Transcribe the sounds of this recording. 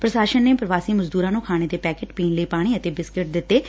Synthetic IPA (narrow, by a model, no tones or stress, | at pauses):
pɾəsaːʃənːeːpɾəʋaːsiːməzd̪uːɾãːnũːkʰaːɽ̃eːd̪eːpɛːkeːʈpiːnləiːpaːɽ̃iːət̪eːbɪskɪʈ̚d̪ɪt̪ːeː